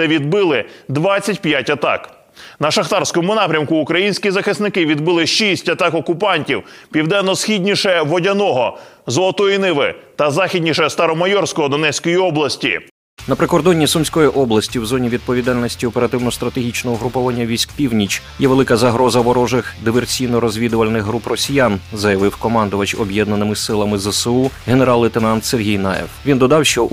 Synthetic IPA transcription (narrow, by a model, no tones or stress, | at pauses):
ɛʋʲid̪bɪlˠɪd̪ʋɑt͡sʲːɐtʲpjatʲɐt̪ɑ̰k | nɐʃɐxt̪ɑrsʲkɔmʊnɑpɾʲɐmkʊːkɾɐjinʲsʲkʲizɐxɪsnɪkɪʋʲid̪bɪlˠɪʃisʲtʲɐt̪ɑkɔkʊpɑnʲtʲiwpʲiwd̪ɛnːɔsxʲidʲnʲiʃɛʋɔdʲɐnɔɦɔzɔlˠɔt̪ɔjinɪʋɪ̰t̪ɐzɑxʲidʲnʲiʃɛst̪ɐɾɔmɐjɔrsʲkɔɦɔd̪ɔnɛsʲkɔjiɔblˠɐsʲtʲḭ | nɐpɾɪkɔrd̪ɔnʲːisʊmʲsʲkɔjiʔɔblˠɐsʲtʲiwzɔnʲiʋʲid̪̚pɔʋʲid̪ɑlʲnɔsʲtʲiɔpeɾɐt̪ɪwnɔst̪ɾɐt̪eɦʲit͡ʃnɔɦɔɦɾʊpɔʋɐnʲːɐʋʲisʲkpʲiwnʲit͡ʃjɛʋelˠɪkɐzɐɦɾɔzɐʋɔɾɔʒɪxd̪ɪʋersʲijnɔɾɔzʲʋʲid̪ʊʋɐlʲnɪxɦɾuprɔsʲijanzɐjɐʋɪwkɔmɑnd̪ʊʋɐt͡ʃɔbjɛd̪nɐnɪmɪsɪlˠɐmɪzɛsuɦeneɾɑlˠːɪt̪enɑnt̪serɦʲijnɑ̰jɛ̰wʋʲind̪ɔd̪ɑwʃt͡ʃɔ